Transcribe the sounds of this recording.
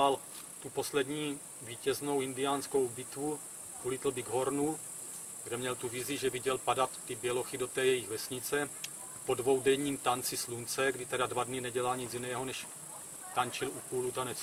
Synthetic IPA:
al | t̪upo̞slɛdɲiː | viːcɛzno̞wɪndɪjaːnsko̞wbɪt̪vu | ʔulɪt̪l̩bɪɡɦo̞ɾnu | ɡdɛmɲɛlt̪uvɪzɪʒɛvɪɟɛlpadat̪ːɪbjɛlo̞xido̞t̪ɛːjɛjɪɣvɛsɲɪt͡sɛ | po̞dvo̞wdɛjɲiːmt̪ant͡sɪslunt͡sɛɡdɪt̪ɛdadvadnɪnɛɟɛlalɲɪt͡sjinɛːɦonɛʃ | t̪ant͡ʃɪlukuːlut̪anɛt͡s

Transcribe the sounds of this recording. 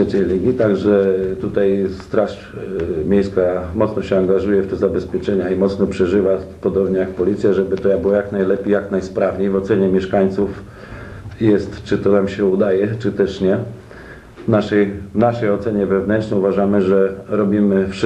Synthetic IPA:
ɛt͡ɕɛlʲiɡʲit̪aɡʐɛt̪ut̪ajst̪ɾaʂ | mʲejskamɔt̪snɔɕɛaŋɡaʐujɛft̪ɛzabɛspʲjɛt͡ʂɛɲaimɔt̪snɔpʂɛʐɘvapɔd̪ɔbɲɛjak̚pɔlʲit̪sʲjaʐɛbɘt̪ɔjabɘwɔjaknajlɛpʲejaknajspɾavɲejvɔt̪sɛɲɛmʲjɛʂkaɲt̪suf | jɛst̪t͡ʂɘt̪ɔnamɕɛud̪ajɛt͡ʂɘt̪ɛʂɲɛ | naʂɛjvnaʂɛjɔt̪sɛɲɛvɛvnɛntnɛjuvaʐamɘʐɛɾɔbʲimɘfʂ

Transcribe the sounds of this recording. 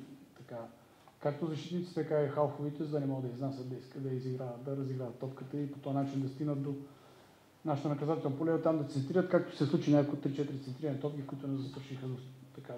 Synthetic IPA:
t̪ɐka | kak̚t̪ozɐʃt̪it̪nit̪si̥t̪ɛkaixalˠxovit̪ɛzəd̪anɛmɔɡəd̪əiznasʲət̪d̪ɐiskəd̪ɐiziɡɾavət̪d̪ɐɾɐziɡɾavɐt̪ːɔpkət̪əipot̪ɔjɐnat͡ʃind̪ɐst̪iɡnət̪̚d̪o | naʃit̪onɐkɐzat̪ɛlnpolɛot̪amd̪ɐt̪sɛnt̪ɾiɾət̪kak̚t̪o̥sɛslˠut͡ʃinʲakkot̪ːɾit͡ʃɛt̪iɾit̪sɛnt̪ɾiɾənɛt̪ɔpkʲikʊit̪ʊnɛzɐst̪ɾʃixəd̪ot̪ɐka

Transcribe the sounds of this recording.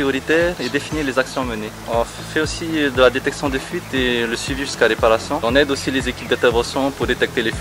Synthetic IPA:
ijɔʁit̪ɛʁed̪efinilezaksjɔ̃məne | ɔ̃ | fɛosid̪əlad̪et̪ɛksjɔ̃d̪efɥit̪eləsɥiviʒyskaʁepaʁasjɔ̃ɔ̃nɛd̪osilezekʲip̚d̪ɛ̃t̪ɛʁvɑ̃sjɔ̃puʁd̪et̪ɛk̚t̪elefi

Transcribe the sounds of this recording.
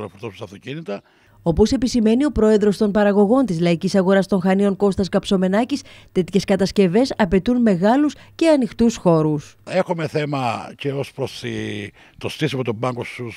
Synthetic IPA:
nɐfoɾt̪osu̥st̪ɐft̪ocinit̪ɐ | o̞po̞se̞pisime̞nio̞pɾo̞e̞ðɾo̞st̪o̞npɐɾɐɣo̞ɣo̞nt̪izlɐicisɐɣo̞ɾɐst̪o̞ŋxɐnio̞ŋko̞st̪ɐskɐpso̞me̞nɐcist̪e̞t̪çe̞skɐt̪ɐsce̞ve̞sɐpe̞t̪unme̞ɣɐlusce̞ɐnixt̪usxo̞ɾuse̞xume̞θe̞mɐceospɾosi | t̪ost̪isimɐot̪obɐŋɡo̞su

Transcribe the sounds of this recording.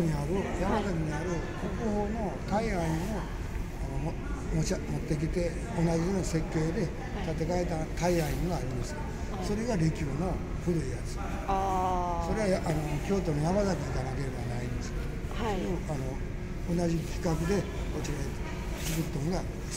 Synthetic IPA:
ɲiaɾɯ̟jamak̪aɾiɲ̟iaɾɯ̟ | kokɯ̟ho̞ːno̞ | t̪aiaimo̞ | ano | momo̞t̪ːe̞k̬ʲit̪e̞ | onad͡ʑijoːnase̞kʲːoːd̪e̞ | t̪at̪e̞kaet̪at̪aiaiŋɡaːɾʲimasɨ̥ | so̞ɾe̞ɡaɾʲikʲɯːno̞ | ɸɯ̟ɾɯ̟ijat͡sɨ̥ | so̞ɾe̞βaanokʲo̞ːt̪o̞nonamazakʲiit̪anake̞ɾe̞banaĩnd̪esɨ̥k | sojoanoː | naʑikʲi̥kakɯ̟d̪e̞ | ot͡ɕiɾa | t͡sikɯt̪ːõŋɡaɾmas

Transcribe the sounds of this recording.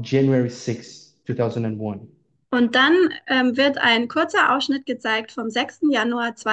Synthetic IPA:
d͡ʒæ̃njuɛɹisɪks | tʰuːθaʊzə̃ndə̃nwʌ̃n | ʔʊnt̚d̥anʔɛːmvɪɐtʰa̰ɪnkʰʊɐt͡sɐʔa̰ʊsʃnɪt̚ɡ̥ət͡saɪk̚tfɔmzɛkstn̩januaːɐt͡sv̥a

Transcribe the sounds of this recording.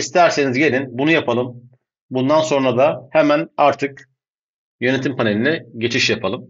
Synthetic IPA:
ist̪ʰæɾsenizɟe̞lʲinbunujapʰalˠɯm | bund̪anso̞nɾad̪ahemænaɾt̪ʰɯk | jø̞ne̞t̪ʰimpʰane̞lʲinɛɟe̞t͡ʃʰiʃjapʰalˠɯm

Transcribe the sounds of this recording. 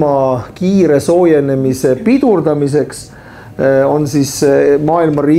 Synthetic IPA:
ɑkiːɾe̞so̞ːje̞ne̞mise̞pid̪̥urd̪̥ɑmis̬e̞ks | o̞nsismɑːilmɑriː

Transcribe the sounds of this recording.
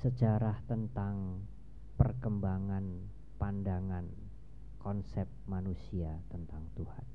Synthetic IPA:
səd͡ʒaɾaht̪ənt̪aŋ | pərkəmbaŋan | pandaŋan | kɔnsɛp̚manusiat̪ənt̪aŋt̪uhan

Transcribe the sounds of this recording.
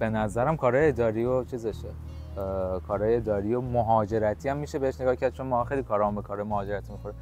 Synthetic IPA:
b̥e̞næzæɾæmkʰɒːɾɒːjeed̪ɒːɾiot͡ʃʰizeʃe | kʰɒːɾɒːjeed̪ɒːɾiomoɦɒːd͡ʒe̞ɾæt̪ʰiæmːiʃebe̞heʃne̞ɡɒːhcʰæɾd̪̚t͡ʃʰo̞nmɔːɒxejlikʰɒːɾɒːmbekʰɒɾɒːjemoɦɒːd͡ʒe̞ɾæt̪ʰimixoɾi

